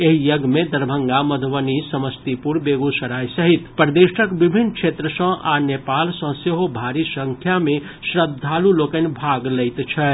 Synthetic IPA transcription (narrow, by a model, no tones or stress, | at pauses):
eɦijəɡmed̪əɾbʱəŋɡaməd̪ʱʋənisəməst̪ipuɾbeɡusəɾajsəɦit̪pəɾd̪eʃəkbibʱinkʰʃʰet̪ɾəsə̃ʔanepalsə̃seɦobʱaɾisə̃ŋkʰjame | sɾəd̪ʱːalulokənbʱaɡləjt̪t͡ʃʰɛ